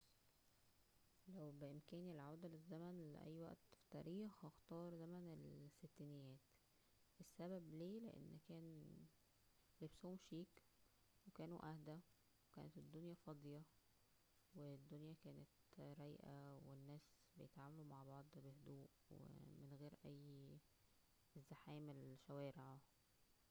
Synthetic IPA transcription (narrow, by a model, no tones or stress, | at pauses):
læwbeʔemkæːnilʕawd̪ælezːæmænlḛʔæ̰jːwæ̰ʔt̪fi̥t̪æ̰ːɾiːxhɑxt̪ɑːɾˤzæmænelsːet̪ːinejːæːt̪ | ʔesːæbæbliːlḛʔḛnːkæːn | lebshomʃiːk | wekæːnuʔæhd̪æ | wekæ̰ːnet̪ed̪ːonjæfɑd̪ˤjɑ | wed̪ːonjækæːnet̪ɾæjʔæwenːæːs | bejet̪ʕaːmælumaʕbɑʕd̪ˤbehd̪uːʔ | wḛmenɣeːɾʔæjː | ezːaħæːmelʃæwæːɾeʕa